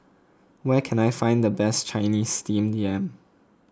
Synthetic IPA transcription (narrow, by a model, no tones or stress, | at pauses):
wɛkʰɛ̃najfãɪ̃nd̪əbɛst͡ʃaɪnisːtĩmdiɛ̃m